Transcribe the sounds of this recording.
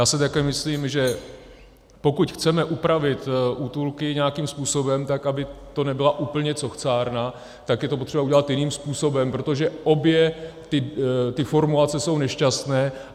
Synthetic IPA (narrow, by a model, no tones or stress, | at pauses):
jaːsɛt̪akɛːmɪsliːmʒɛ | po̞kucxt͡sɛmɛʔupɾavɪt̪ʔut̪ulkɪɲɛakiːmspuːso̞bɛmt̪akʔabɪt̪o̞nɛbɪlaʔuːpl̩ɲɛt͡so̞xt͡saːɾna | t̪akjɛt̪opo̞t̪r̥ɛbauɟɛlat̪jɪniːmspuːso̞bɛmpɾo̞t̪o̞ʒɛʔo̞bjɛt̪ɪt̪ɪfo̞ɾmulat͡sɛso̞wnɛʃcast̪nɛː